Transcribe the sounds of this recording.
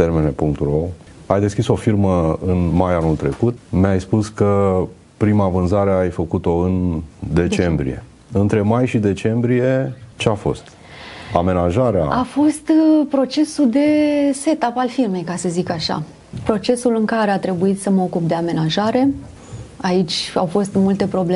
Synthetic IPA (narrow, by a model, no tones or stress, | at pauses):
t̪ermenepuŋk̚t̪urow | ajd̪e̞skʲiso̞firməɨnmajanult̪ɾe̞kut̪meajspuskə | pɾimavɨnzaɾe̞ajfəkut̪o̞ɨnd̪e̞t͡ʃe̞mbɾḭje̞̰ | ɨnt̪ɾe̞majʃid̪e̞t͡ʃe̞mbɾije̞t͡ʃeafo̞̰st̪ | a̰me̞naʒaɾea̰afo̞st̪pɾo̞t͡ʃe̞sud̪e̞se̞t̪apalfirme̞jkasəzikaʃa̰ | pɾo̞t͡ʃe̞sulɨŋkaɾe̞at̪ɾe̞buit̪səməo̞kupd̪e̞ame̞naʒaɾe̞ | ait͡ʃʲa̰wfo̞st̪mult̪e̞pɾo̞ble